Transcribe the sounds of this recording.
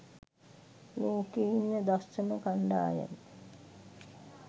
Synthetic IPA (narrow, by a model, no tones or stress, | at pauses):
loːkeinːəd̪assənəkaɳɖa̰ːja̰n